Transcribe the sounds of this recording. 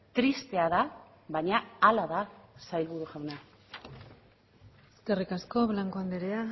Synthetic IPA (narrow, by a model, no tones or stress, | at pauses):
t̪ɾist̪e̞aða | βaɲaːlaðasajlβuɾuxawna | eske̞rikasko̞βlaŋko̞and̪eɾea